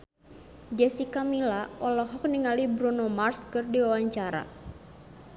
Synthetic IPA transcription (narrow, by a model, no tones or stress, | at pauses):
d͡ʒɛsikamilaɔlɔɦɔk̚niŋalibɾunomarskɨrdiwawaɲt͡ʃaɾa̰